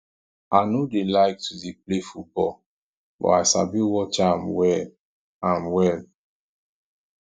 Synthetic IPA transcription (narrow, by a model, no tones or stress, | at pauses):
anodelaɪk̚tʰudiplefut̚bɔl | bɔ̰aɪsa̰biwɔt͡ʃamwɛl | ãmwɛl